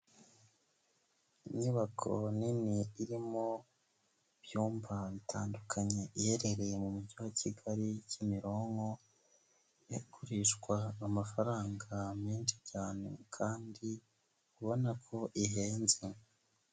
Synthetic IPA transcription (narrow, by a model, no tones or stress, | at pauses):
iɲuβakʰoniniiɾimo̞ | β̥juːmvaβitʰaːndukʰaɲe̞ʔihe̞ɾe̞ɾe̞mumuɟuwacʰiɡaɾicimiɾo̞ːŋɡo̞ | jakʰuɾiʃɡwaːmafaɾaːŋɡamɲiːnʃi̥caːnḛkʰaːndi | kuβo̞nakʰo̞ʔiɦe̞ːnze